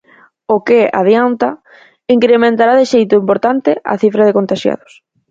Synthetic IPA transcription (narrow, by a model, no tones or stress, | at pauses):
okɪa̰ðjant̪a | iŋkɾemẽnt̪aɾaðɪʃejt̪ʊimpoɾt̪ant̪ɪa̰θifɾaðɪkont̪aʃja̰ðʊs